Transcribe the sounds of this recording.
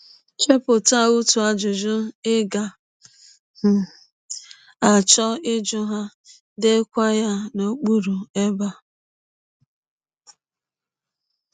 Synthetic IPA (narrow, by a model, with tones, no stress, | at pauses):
t͡ʃe˦pʊ˨ta˦˨u˦tu˨a˨d͡ʒʊ˨d͡ʒʊ˦ɪ˦ɡa˨ | h̩˨ | a˨t͡ʃɔ˦ɪ˦d͡ʒʊ˦ɦa˦ | de˦kʷa˦ja˦no˦k͡pu˦ɾu˨e˦ba˦